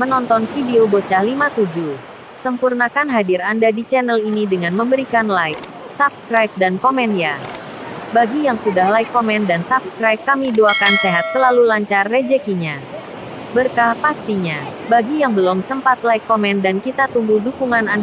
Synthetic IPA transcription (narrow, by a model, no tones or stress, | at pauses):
mənɔnt̪ɔnfideobot͡ʃahlimat̪ud͡ʒu | səmpurnakanɦadiɾandadit͡ʃɛnəlinidəŋanməmbəɾikanlajk̚ | sap̚skɾajp̚dankomɛndija | baɡijaŋsudahlaikːomɛndansap̚skɾajp̚kamiduakanseɦat̪̚səlalulaɲt͡ʃarːed͡ʒɛkiɲa | bərkahpast̪iɲabaɡijaŋbəlɔmsəmpat̪̚laikːomɛndankit̪at̪uŋɡudukuŋanand